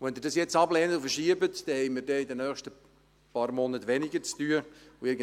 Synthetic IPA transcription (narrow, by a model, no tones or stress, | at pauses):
ʋɛnd̪ɪːɾdɑsjɛt͡sɑblɛːnətufəɾʃiəbət̪d̪̥ɛhɛɪmiːɾdɛid̪ənœːχʃtə | pɑːɾmɔnət̪ʋɛnɪɡəɾt͡styːəuɪɡə